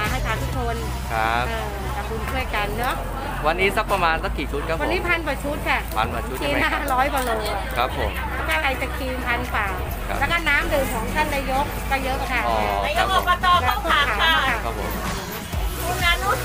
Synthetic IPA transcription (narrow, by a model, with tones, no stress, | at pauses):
a˧˩ɦa˥˩jt̪ʰaː˧˥t̪ʰu˦˥k̚kʰo˧n | kʰa˦ʔɤː˧˩ | ka˨˩ku˧nt̪ʰu˥˩əjka˧nːɔ˦˥ | wa˧nːiː˦˥sa˦˥k̚pːɾa˧maː˧nsa˦˥k̚kiː˨˩t͡ɕʰu˦˥t̪̚kʰwa˧niː˦˥pʰa˧˥˨npaː˨˩t͡ɕʰu˦˥t̪̚kʰa˧˩pʰa̰˧npa̰˨˩t͡ɕʰu˦˥kʰiː˧˦naː˦˥˩ɾɔː˦˥jkɔː˨˩loː˧a˨˩kʰɾa˦˥p̚ʰːo̰˨˦mlɛː˦˥kɔː˥˩ʔa˧jt͡ɕa˨˩kʰiː˧pʰa˧npaː˨˩ | l̰ɛː˦˥kɔː˥˩naː˦˥mdɯː˨˩mkʰɔː˨˩˦ŋt̪ʰa˥˩nːaː˧jo˦˥k̚kɔː˥˩jɤ˦˥ʔka˧˩t̪ʰaː˧˩ɔː˧˨a˧˦ɔ˧pa˧t̪ɔː˧˦aː˥˩kʰu˥a˥˩˨kaː˨˦˧a˥˩a˦˥kʰa˦˥p̚ʰo̰˨˩˦m | kʰu˧naː˧nu˦˥